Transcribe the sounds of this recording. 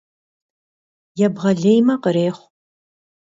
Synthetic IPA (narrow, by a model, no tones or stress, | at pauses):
jɛbʁɐɮejmɐqəɾeːχʷ